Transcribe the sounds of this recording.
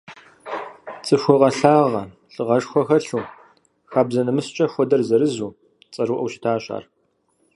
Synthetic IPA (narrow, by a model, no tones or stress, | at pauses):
t͡sʼɨɕʷɔqɐɬaːʁɐ | ɬʼɨʁɐʂxʷɔxɐɬuː | xaːbzɐnɐmɨst͡ʃʼɐxʷɔdɐrzɐɾɨzuː | t͡sʼɐruːʔɐwʃɪ̥tʰaːɕʼa̰ːr